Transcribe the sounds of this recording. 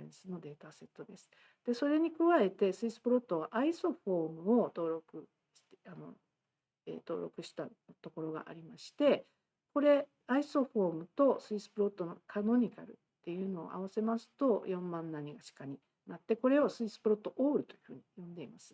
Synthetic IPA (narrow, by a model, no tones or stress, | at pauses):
ḛ̃sɨno̞d̪e̞ːt̪ase̞t̪ːo̞d̪e̞sɨ̥ | d̪̥e̞so̞ɾe̞ɲ̟ikɯ̟βae̞t̪e̞sɨisɨ̥pɯ̟ɾo̞t̪ːo̞βaʔaiso̞ɸo̞ːmɯ̟o̞t̪o̞ːɾo̞kɯ̟ | ɕt̪eano̞̰ | ḛt̪o̞̰ːɾokɯ̟ɕi̥t̪a | t̪o̞ko̞ɾo̞ɡa̰ʔa̰ɾʲimaɕi̥t̪e̞ | ko̞ɾe̞ | aiso̞ɸo̞ːmɯ̟t̪o̞sɨisɨ̥pɯ̟ɾo̞t̪ːo̞no̞kʰano̞ɲ̟ika̰ɾɯ̰t̪ːe̞jɯ̟ːno̞̰ːʔa̰β̞ase̞masɨ̥t̪o̞jõ̞mːãnːaɲ̟iɡaɕi̥kaɲ̟i | nat̪ːe̞ko̞ɾe̞osɨisɨ̥pɯɾo̞t̪ːo̞ʔoːɾɯ̟t̪o̞jɯ̟hɯ̟ːɲ̟ijõ̞nd̪e̞imasɨ̥